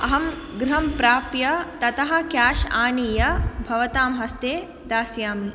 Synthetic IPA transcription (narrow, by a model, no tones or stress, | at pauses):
ɐɦɐm | ɡɾɐɦɐmpɾaːpjɐt̪ɐt̪ɐɦɐ̆kjaːʃaːniːjɐbʱɐʋɐt̪aːmɦɐst̪eː | d̪aːsjaːmn